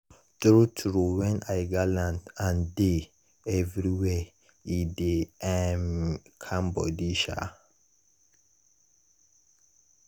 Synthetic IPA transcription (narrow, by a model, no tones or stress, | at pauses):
tɾutʰɹuwɛ̃najɡalãntãnde | ɛvɹiwɛ | ideɛmkʰãmbɔ̰diʃa̰